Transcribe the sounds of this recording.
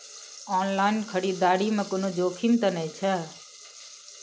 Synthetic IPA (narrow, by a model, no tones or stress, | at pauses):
ɔːnlaːinkʰəɽiːd̪aːɽimə̃kʊnõd͡ʒoːkʰimt̪ənəjt͡ʃʰə